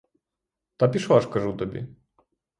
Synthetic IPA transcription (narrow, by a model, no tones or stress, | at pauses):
t̪apʲiʂaʂkɐʐut̪ɔbʲḭ